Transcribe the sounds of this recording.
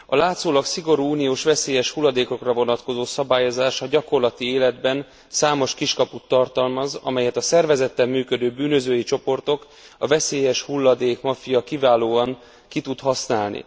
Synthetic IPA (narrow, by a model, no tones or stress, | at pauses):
ɒlaːt̪soːlɒksiɡo̞ɾuːuːnijoːʃʋɛseːjɛʃhulːɒd̪eːko̞krɒvo̞nɒt̪ko̞zoːsɒbaːjo̞zaːʃɒɟɒko̞rlɒt̪ieːlɛd̪bɛn | saːmo̞ʃkiʃkɒput̪ːɒrt̪ɒlmɒzɒ̰mɛjɛt̪ɒsɛrvɛzɛt̪ːɛmːyːkø̞d̪øːbyːnø̞zøːjit͡ʃo̞po̞rt̪o̞k | ɒvɛseːjɛʃhulːɒd̪eːkmɒfijɒkivaːloːɒŋ | kit̪ut̪hɒsnaːlnḭ